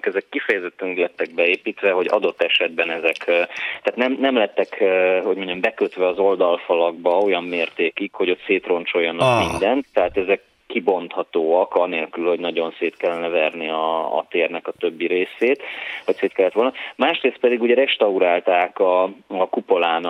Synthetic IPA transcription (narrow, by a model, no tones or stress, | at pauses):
kɛzɛkːifɛjɛzɛt̪ːɛnɛɡlɛt̪ːɛɡ̚bɛeːpiːt̪ʋɛɦo̞ɟɒ̰d̪o̞t̪ːɛʃɛd̪bɛnɛzɛkt̪aːt̪nɛmnɛmlɛt̪ːɛkho̞ɟmoɲːɛmbɛkøt̪ʋɛɒzo̞ld̪ɒlfɒlɒɡbɒo̞jɒmːeːrt̪eːkikho̞ɟo̞t̪seːt̪ro̞nt͡ʃo̞jːɒnɒkmind̪ɛnt̪ːɛɦaːt̪ɛzɛkːibo̞nt̪hɒt̪oːɒkɒneːlkylho̞ɟnɒɟo̞nseːt̪kɛlːɛnɛvɛrniɒ̰ːt̪eːrnɛkɒt̪ø̞bːiɾeːseːt̪hocseːt̪kɛlːɛt̪ʋo̞lnɒmaːʃreːst̪pɛd̪iɡuːɟɛɾɛʃt̪ɒuɾaːlt̪aːkɒɒkupo̞laːn